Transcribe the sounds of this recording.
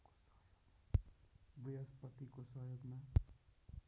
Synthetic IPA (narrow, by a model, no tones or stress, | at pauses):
jo | bijʌspʌt̪ikosʌɦjoɡma